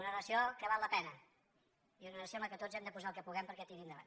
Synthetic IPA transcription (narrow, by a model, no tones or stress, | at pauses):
unənəsiokəβalːəpɛnə | iunənəsiomləkɛt̪ozɛmd̪əpuzaəlˠkəpuɣɛmpəɾkɛt̪iɾind̪əβa̰n